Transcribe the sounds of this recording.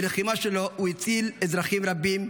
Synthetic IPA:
leχimaʃelouit͡silezʁaχimʁabim

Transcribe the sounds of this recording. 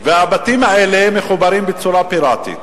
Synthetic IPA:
vehabat̪iːmaʔelemːexubaɾiːmbɪt͡suɾapiɾaːt̪ḭ

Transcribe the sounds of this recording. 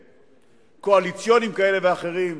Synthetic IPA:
ko̞alit͡sjo̞nimkae̞le̞veaχe̞ʁim

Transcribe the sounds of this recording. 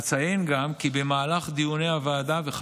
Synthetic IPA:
t͡sajenɡamkibe̞maːlaχd̪ijuneavaːd̪aveχ

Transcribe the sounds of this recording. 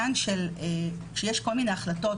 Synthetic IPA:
anʃele | ʃejeʃko̞lmine̞aχlato̞

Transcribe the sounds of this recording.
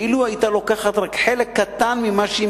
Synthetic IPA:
iluajit̪alokaχat̪ʁakħelekːat̪anmimaʃi

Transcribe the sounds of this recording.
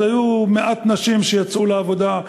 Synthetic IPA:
ajumeʔat̪naʃimʃejat͡sʔuleavo̞d̪a

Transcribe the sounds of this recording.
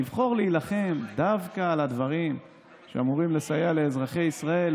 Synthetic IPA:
ivχo̞ʁliilaχe̞md̪avkaːlad̪vaʁim | ʃeamuʁimle̞sajale̞ːzʁaχe̞jisʁae̞l

